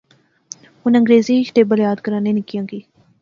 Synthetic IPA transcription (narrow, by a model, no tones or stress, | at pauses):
ɦʊnə̃ŋɡɾeːziːɪʃt̪eːbəljaːd̪kəɾãːnẽːnɪkjãːɡiː